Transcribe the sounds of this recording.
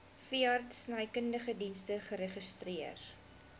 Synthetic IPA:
fiɐrtsnəjkəndəχədinstəχəɾeχəstriər

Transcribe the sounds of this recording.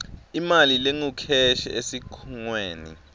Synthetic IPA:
imalileŋukʰɛʃɛʔesikʰuŋweːnḭ

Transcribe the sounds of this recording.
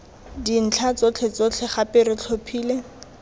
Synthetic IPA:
din̩t͡ɬʰat͡sot͡ɬʰɛt͡sot͡ɬʰɛχapɪɾɪt͡ɬʰopʰiːle

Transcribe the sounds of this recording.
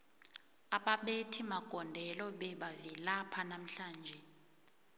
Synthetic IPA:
aɓaɓetʰimaɡ̥ʱɔndʱɛlɔɓɛɓavilapʰanam̩ɬaːnd͡ʒʱɛ

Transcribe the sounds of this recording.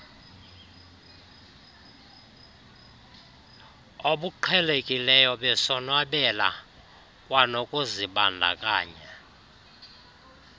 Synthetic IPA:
oɓuǃʰɛlekʼilɛjɔɓɛsɔnwaɓɛla̰ | kʼwanokʼoziɓa̰ndʱa̰kʼa̰ːɲa

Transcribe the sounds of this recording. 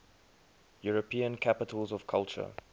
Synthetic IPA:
juɹəpʰĩə̃nkʰapɪtʰəlˠzɔv̥kʰalt͡ʃə̰

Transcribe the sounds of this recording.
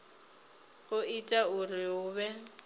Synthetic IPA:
ʊitʼaʊrɪʊːβɛ

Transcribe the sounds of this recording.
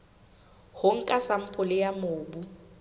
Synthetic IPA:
hʊŋ̩kʼasam̩pʰʼʊlɪjamoːbu

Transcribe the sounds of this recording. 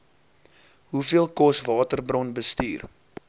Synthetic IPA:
ɦufiəlˠkɔsvɑːtərbrɔnbəsty̰ːr

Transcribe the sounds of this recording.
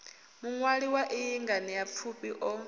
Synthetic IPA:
muŋwaɺiwaʔijiŋɡanijap̪fʰupʼiʔɔ

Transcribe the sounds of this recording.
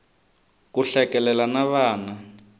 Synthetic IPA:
kuɬɛkɛlɛlanaβaːna

